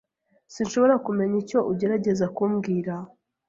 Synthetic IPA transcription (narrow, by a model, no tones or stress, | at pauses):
sinʃo̞βo̞ɾakume̞ɲico̞ʔuɟe̞ɾaɟe̞zakuːmɡiːɾa